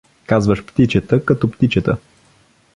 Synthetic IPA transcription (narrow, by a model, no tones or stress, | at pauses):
kazvəʃpt̪it͡ʃət̪əkɐt̪ɔpt̪it͡ʃət̪ə̰